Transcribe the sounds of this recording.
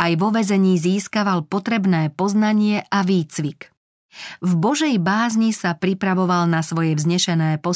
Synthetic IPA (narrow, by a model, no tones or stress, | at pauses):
ajʋɔʋɛzɛɲiːziːskaʋalpɔt̪ɾɛbnɛːpɔznaɲɪɛʔaʋiːt͡sʋik | vbɔʒɛjbaːzɲisapɾipɾaʋɔʋalnasʋɔjɛvzɲɛʃɛnɛːpɔ